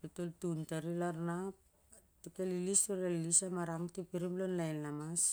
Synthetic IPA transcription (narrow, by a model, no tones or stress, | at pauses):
pitoltuntaɾilaɾnap̚ | tukelilistualilisamaɾaŋtipiɾimlonlajnlamas